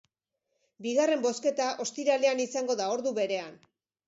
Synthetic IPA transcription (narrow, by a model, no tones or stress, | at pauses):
biɣare̞mbo̞ske̞t̪aʔo̞st̪iɾaleanisaŋɡo̞ðao̞ɾðuβe̞ɾe̞an